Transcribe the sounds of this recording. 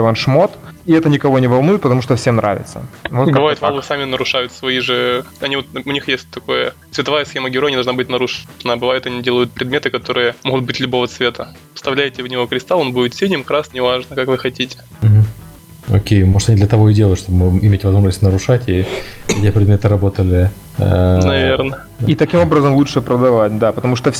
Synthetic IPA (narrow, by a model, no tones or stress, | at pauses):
ɪvonʂmot̪ɪɛt̪ənʲɪkɐvo̞nʲɪvɐlˠnujɪt̪pət̪ɐmuʂt̪ofsʲe̞mnɾʔa̰vʲɪ̰t̪sə̰vot̪bɨvajʊt̪valˠɨsamʲɪnəɾʊʂajʊt̪svɐiʐɨɐnʲiot̪ʊnʲixjesʲt̚ʲt̪ɐko̞jət̪svʲɪt̪ɐvajəsxʲeməɡʲɪɾojɐnʲid̪ɐʐnabɨtʲnɐɾuʂnəbɨvajʊt̪ɐnʲidʲelˠəjʊt̪̚pɾʲɪd̪mʲet̪ɨkɐt̪o̞ɾɨjəmoɣʊt̪̚bɨtʲlʲʊbo̞vət̪svʲe̞t̪ə | fst̪ɐvlʲæjɪtʲɪvnʲɪvo̞kɾʲɪst̪alˠonbudʲɪt̪sʲedʲnʲɪmkɾasnʲɪvaʐnəkakvɨxɐtʲitʲɪ̥m̩ɦm̩ | o̰kʲejmoʐɨt̪ɐnʲid̪lʲət̪ɐvo̞ɪdʲelˠəjʊt̪ʂt̪o̞bəmɨɪmʲetʲvɐzmo̞ʐnəsʲtʲnəɾʊʂatʲiɛtʲɪpɾʲɪd̪mʲet̪ɨɾɐbo̞t̪əlʲɪ | nɐvʲernə | it̪ɐkʲimo̞bɾəzəmlˠutʂɨpɾəd̪ɐvat̚ʲd̪apət̪ɐmuʂt̪of